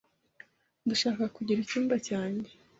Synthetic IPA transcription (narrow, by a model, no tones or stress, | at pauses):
nduʃaːkakuɟiɾicuːmbacaːɲɟe